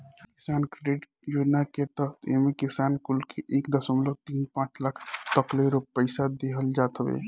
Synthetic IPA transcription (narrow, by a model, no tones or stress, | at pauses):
kisankɾeɖeʈ | d͡ʒod͡ʒnaket̪əḛmekisankulkeʔekd̪əsəmlot̪inpãt͡ʃlakʰt̪əkleɾopəɪsad̪eɦəld͡ʒat̪ɦəbḛ